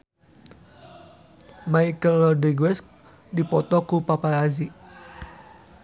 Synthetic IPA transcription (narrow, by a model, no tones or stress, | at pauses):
maikəlɔdɛɡwɛsk̚ | dipɔt̪ɔkupapaɾazi